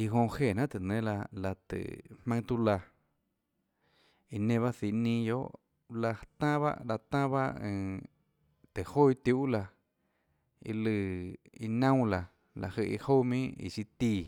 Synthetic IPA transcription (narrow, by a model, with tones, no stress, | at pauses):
i˧ɦõ˧he˧˨nã˦t̪e˨nẽ˦la˧la˧t̪ɨ̰˨hmã˧ŋ˧t̪u˧la˧ | i˧nẽ˧βa˦si˧˨nĩ˧jo˦ʔ | la˧t̪ã˦βa̰˦ʔla˧t̪ã˦βa̰˦ʔẽ˧˨ | t̪e˨ho˦i˧t̪ju˧ʔla˧ | ḭ˧lɨ˧ | i˧nã˦w̃la˧ | la̰˨hə˧ʔi˧ho˦mĩ˦ḭ˧˨ʃi˧t̪i˧˨